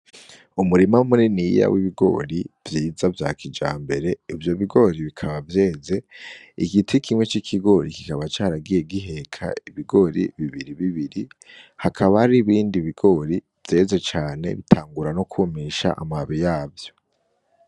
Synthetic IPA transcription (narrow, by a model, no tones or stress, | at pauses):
umuɾimamuɾinija̰wiβiɡo̞̰ːɾiv̥jiːzavja̰ːkʰid͡ʒa̰ːmbe̞ɾe̞ivjo̞βiɡo̞ɾiβikʰaβavjeːze̞ | iɡitʰikʰimwe̞t͡ʃikʰiɡo̞ɾiki̥kaβat͡ʃaːɾaɡije̞ɡiɦe̞kʰa̰iβiɡo̞ɾḭβiβiɾiβiβiɾi | hakʰaβahaɾiβiːndiβiɡo̞ɾi | v̥je̞ːze̞t͡ʃaːne̞̰βitʰaːŋɡuɾanokʰumiʃa̰ʔa̰maβijaːvjo̞